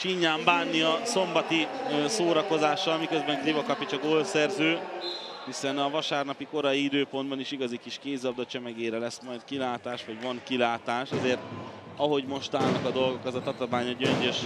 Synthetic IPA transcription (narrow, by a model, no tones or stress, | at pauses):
ʃiɲːaːmbaːnːiɒso̞mbɒt̪isoːɾɒko̞zaːʃːɒlmikøzbɛŋklivɒkɒpit͡ʃɒɡoːlsɛrzøːhisɛnɒvɒʃaːrnɒpiko̞ɾɒjiid̪øːpo̞nd̪bɒniʃiɡɒzikiʃkeːzɒb̚d̪ɒt͡ʃɛmɛɡeːɾɛlɛsmɒjd̪kilaːt̪aːʃʋɒɟvɒŋkilaːt̪aːʃɒzeːrt̪ | ɒɦo̞ɟmo̞ʃt̪aːlnɒkɒd̪o̞lɡo̞kɛzɒt̪ɒt̪omaːɲoɟøɲɟøʃ